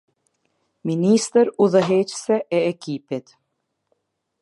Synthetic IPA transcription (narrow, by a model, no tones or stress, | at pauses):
minist̪əɾuðəɦɛt͡ɕsɛʔɛːkipit̪